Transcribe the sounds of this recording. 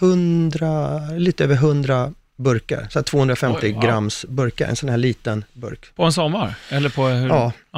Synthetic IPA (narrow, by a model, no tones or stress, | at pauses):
hɵnd̪ɾaliːt̪əøːvəɾɦɵnd̪ɾa | bɵɾka̰ɾsɔæt̪ʰvoːɵnd̪ɾafɛmt̪ɪɡɾamːsbɵɾka̰ɾɛ̰nsɔnhæːɭiːt̪ənbɵ̰ɾkpʰɔɛnsɔmːaɾɛlːəpʰɔhɑː